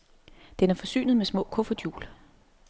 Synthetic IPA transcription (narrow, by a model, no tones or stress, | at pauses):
d̥enæɐfɒ̽sy̰ːnð̞̩ˠmesmɔ̰̽ːkʰɔ̽fɐd̥jṵːl